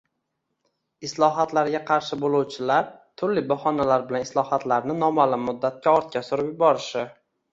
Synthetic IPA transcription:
ɪslˠɒɦat̪laɾɡʲaqʰɑɾʃɪbolˠuwt͡ʃʰɪlaɾt̪ʰʊɾlɪbɒhɒnalaɾbɪlanɪslˠɒhat̪laɾnɪnɒmalɪmːʊd̪ːat̪̚kʲaɒɾt̪̚kʲasʊɾɪpjʊbɒɾɪʃɪ

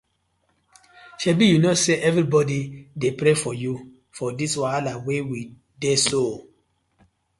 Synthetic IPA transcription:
ʃɛbijunoseʔɛvɾibɔdidepɾefɔju | fɔdiswalawewi | deso

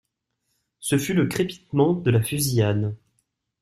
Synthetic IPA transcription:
səfyləkχepi̥t̪mɑ̃d̪əlafyzian

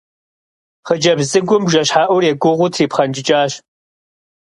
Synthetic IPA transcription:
χəd͡ʒɐbzɨɡʷʊmbʒɐɕħaːʔʷʊrjɛɡʷʊʁʷʊtʰriːpχɐnd͡ʒʼɪt͡ʃʼaːɕ

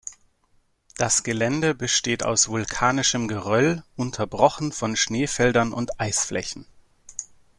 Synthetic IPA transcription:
d̥asɡ̥əlɛndəbəʃteːta̰ʊsv̥ʊlkʰaːnɪʃəmɡəʁœlʔʊntʰɐbʁɔχn̩fɔnʃneːfɛldɐnʔʊ̰ntʔaɪsflʔɛ̰çn̩

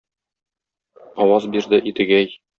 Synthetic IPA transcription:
ɒwɑzbiɾd̪ɘʔit̪ɘ̆ɡæj

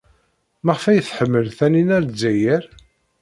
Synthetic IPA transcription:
mæʁəfæjθħəmːəlθæninæɾzæjəɾ

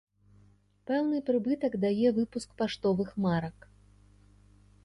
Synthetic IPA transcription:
pɛwnɨpɾɨbɨt̪ɐkd̪ajɛvɨpuskpaʂt̪ɔvɨxmaɾɐk

